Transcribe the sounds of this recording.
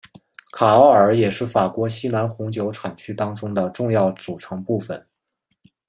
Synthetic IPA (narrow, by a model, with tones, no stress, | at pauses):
kʰa˨˩ɑ˥ʊə˞˨˩˥jɛ˨˩ʂɻ̩˥˩fa˨˩kwɔ˧˥ɕi˥na˧˥nxʊ˧˥ŋt͡ɕjo˧˥ʊʈ͡ʂʰa˨˩nt͡ɕʰy˥t̪ɑ˥ŋʈ͡ʂʊ˥ŋd̪ə˨ʈ͡ʂʊ˥˧ŋjɑ˥˩ʊt͡su˨˩ʈ͡ʂʰɤ˧˥ŋpu˥˩fə˨˩n